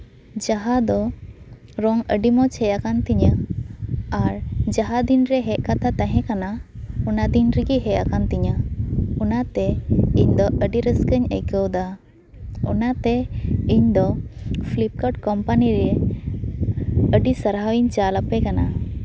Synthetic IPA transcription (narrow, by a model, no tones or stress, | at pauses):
d͡ʒaɦad̪ɔ | ɾɔŋə̰ɖimɔt͡ʃʰɛjakant̪iɲə | aɾd͡ʒaɦad̪inɾɛɦɛʔ̚ˀkat̪ʰat̪aɦɛ̃kanaunad̪inɾiɡiɦɛjakant̪iɲəunat̪ɛiɲd̪ɔʔəɖiɾəskəɲə̰jkəwd̪a | ɔ̰nat̪ɛiɲd̪ɔpʰlip̚kəʈkɔmpaniɾɛe | əɖisəɾɦawiɲt͡ʃalapɛkana